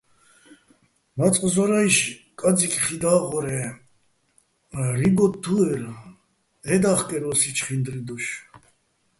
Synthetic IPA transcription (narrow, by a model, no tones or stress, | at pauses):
mat͡sʼqʼzɔɾaiʃkʼad͡zikʰʼχid̪aːʁɔɾɛ | ɾibɔt̪̚ːuɛɾ | ɛd̪aχkʼɛɾɔsit͡ʃʰχind̪ɾid̪uʃ